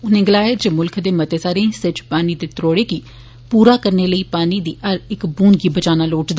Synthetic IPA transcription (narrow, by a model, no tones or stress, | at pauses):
ʊnẽːɡəlaːeːd͡ʒəmʊlkʰd̪eːmət̪eːsaːɾẽːsɪt͡ʃpaːniːd̪eːt̪ɾoːɽeːkiː | puːɾaːkəɾneːləiːpaːniːd̪iːʔəɾɪkbuːnɡiːbəd͡ʒaːnaːloːʈd̪